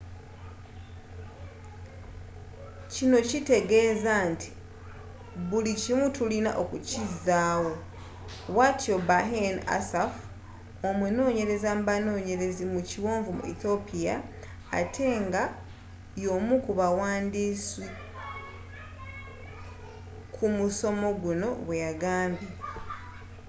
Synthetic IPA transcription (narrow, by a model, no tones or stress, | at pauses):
cino̞cite̞ɡe̞ːzantʰi̥ | βulicimutulina̰ʔo̞kucizaːwo̞ | watʰobaɦena̰saf | o̞meno̞ːɲe̞ɾe̞zambano̞ːɲe̞ɾe̞zimuciwo̞ːɱvumṵḭθo̞pija̰ː | tʰe̞ːŋɡa | jo̞ːmukuβawaːndisi | kʰumuso̞mo̞ɡuno̞βwe̞jaɡaːmbje